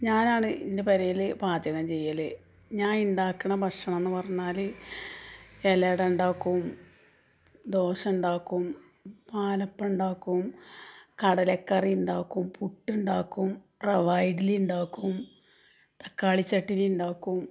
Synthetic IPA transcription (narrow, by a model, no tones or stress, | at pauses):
ɲaːnaːɳɨʔindepɐɾɐjilbʱaːd͡ʑɐɣɐmt͡ɕe̞jːɐle | ɲaːnuɳɖaːkːɐɳɐbʱɐʂɐɳɐmenːɨpɐrɐɲːaːl | eleɽɐuɳɖaːkːum | d̪o̞ːɕɐmuɳɖaːkːum | paːlɐpːɐuɳɖaːkːumkɐɽɐlekːɐriuɳɖaːkːumpuʈːuɳɖaːkːumpreʋɐjɖiluɳɖaːkːum | t̪ɐkːaːɭit͡ɕːɐʈːiluɳɖaːkːum